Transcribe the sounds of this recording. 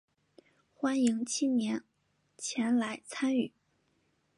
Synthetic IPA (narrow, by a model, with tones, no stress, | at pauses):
xwa˥ni˧˥ŋt͡ɕʰi˥njɛ˧˥n | t͡ɕʰjɛ˧˥nla˧˥ɪt͡sʰa˥ny˨˩˦